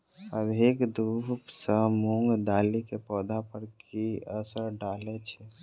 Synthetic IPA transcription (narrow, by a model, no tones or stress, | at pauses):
əd̪ʱikd̪upsəmũŋɡd̪aːlikepɔːd̪ʱapəɾkiəsəɾɖaːlet͡ʃʰɛ